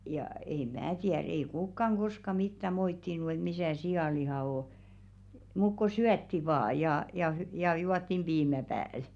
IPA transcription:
jɑ ei mæː tiær ei kukːɑŋ ɡ̊oskɑ mitːæ moitːinu et misæˑ siɑˑlihɑˑ o muk ko syætːi ʋɑː jɑ jɑ hy jɑ juɑtːim b̥iːmæ pæːl

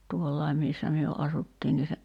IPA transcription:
tuolːɑim̆ misːæ myø ʔɑsutːiːn ni se

